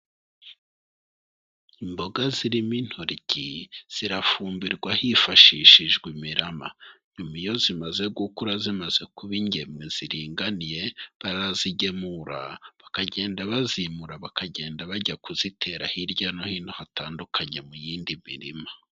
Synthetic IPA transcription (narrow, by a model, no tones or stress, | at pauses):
imbo̞ɡaziɾimin̥hoɾiɟiz̥iɾafuːmbiɾɡwahifaʃiːʃiʒɡwimiɾama̰ɲumijo̞zimaze̞ɡukuɾazimaze̞kuβiɲɟe̞mŋez̥iɾiːŋɡanije̞βaɾaziɟe̞muɾa̰βakaɟe̞ːndaβazimuɾaβakaɟe̞ːndaβaɟakuzitʰe̞ːɾahiɾɟanohin̥hohatʰaːndukʰaɲe̞mujiːndimḭɾima